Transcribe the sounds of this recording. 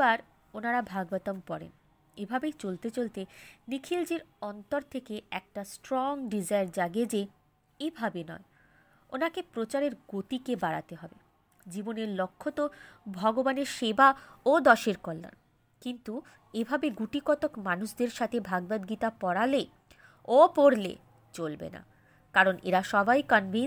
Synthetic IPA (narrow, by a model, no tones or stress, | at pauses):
aɾ | onaɾabʱaɡbat̪ompɔɾḛn | ebʱabejt͡ɕolt̪et͡ɕolt̪enikʰild͡ʑiɾɔnt̪oɾt̪ʰekeɛk̚ʈasʈɾɔŋɖid͡ʑaeɾd͡ʑaɡed͡ʑe | ebʱabenɔ̰e | onakepɾot͡ɕaɾeɾɡot̪ikebaɽa̰t̪eɦɔbe | d͡ʑiboneɾlokʰːot̪obʱɔɡobaneɾʃebaod̪ɔʃeɾkoɾːa̰n | kint̪u | ebʱabeɡuʈikɔt̪okmanuʃd̪eɾʃat̪ʰebʱaɡ̚bad̪ɡit̪apɔɽale | opoɽlḛ | t͡ɕolbḛna̰ | kaɾonḛɾaʃɔbajkɔnvʱin